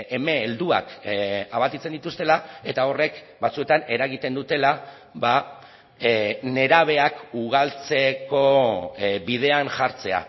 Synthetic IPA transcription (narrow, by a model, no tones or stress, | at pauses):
eme̞ːld̪ua̰kaβat̪it͡se̞nd̪it̪ust̪e̞lae̞t̪ao̞re̞k | bat͡sue̞t̪ane̞ɾaɣ̞it̪e̞nd̪ut̪e̞la | βa | ne̞ɾaβ̞e̞akuɣ̞alt͡se̞ko̞ | βið̞e̞anʝaɾt͡se̞a̰